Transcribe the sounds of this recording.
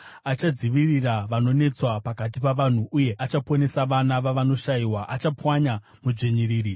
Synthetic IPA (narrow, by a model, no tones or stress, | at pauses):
at͡ʃad͡ziʋiriraʋano̞ne̞t͡swapakat̬ipaʋan̤uuje̞ʔat͡ʃapone̞saʋanaʋaʋano̞ʃaiwaʔat͡ʃapwaɲa | mud͡ʐeɲiriːɾi